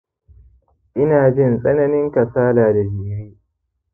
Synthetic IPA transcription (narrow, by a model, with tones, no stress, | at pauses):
ʔɪ˦naː˨d͡ʒɪ˦˨nsʼɐ˦nɐ˦nɪ˦ŋkɐ˨saː˦laː˨da˨d͡ʒɪ˨ja˦j